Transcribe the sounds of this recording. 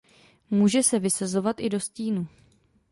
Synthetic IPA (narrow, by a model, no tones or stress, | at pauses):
muːʒɛsɛvɪsazo̞vat̪ʔɪdo̞sciːnu